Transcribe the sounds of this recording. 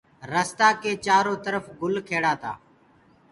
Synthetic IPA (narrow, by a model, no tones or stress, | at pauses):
ɾəst̪aːkeːt͡ʃaːɾoːt̪əɾəfɡʊlkʰeːɽaːt̪a̰ː